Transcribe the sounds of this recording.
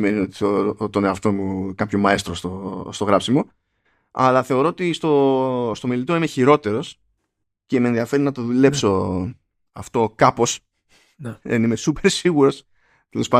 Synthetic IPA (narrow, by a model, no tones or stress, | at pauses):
me̞nio̞t̪i̥ot̪o̞neɐft̪o̞mukɐpço̞mɐest̪ɾost̪ost̪o̞ɣɾɐpsimo | ɐ̰lɐθe̞o̞ɾo̞ot̪ist̪o̞st̪o̞milit̪o̞ime̞çiɾo̞t̪e̞ɾo̞s | ce̞menðiɐfe̞ɾinɐt̪o̞ðule̞pso̞ | ɐft̪o̞kɐpo̞s | ðenimesupe̞ɾsiɣuɾo̞s | t̪elo̞spɐ